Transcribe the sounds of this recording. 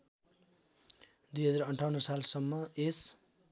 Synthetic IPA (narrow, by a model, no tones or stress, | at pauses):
d̪ujɦʌd͡zarʌɳʈʰawnʌsalsʌmːʌes